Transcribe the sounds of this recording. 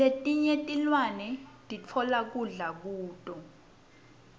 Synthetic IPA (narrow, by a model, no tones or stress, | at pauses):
letʼiɲɛtʼilwanɛtʼit͡fʰɔlak̬uɮak̬uːtʼɔ